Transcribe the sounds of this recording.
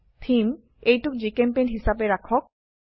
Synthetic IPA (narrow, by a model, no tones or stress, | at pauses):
t̪ʰim | ejʈukd͡ʑekempejnɦisabeɾakʰok̚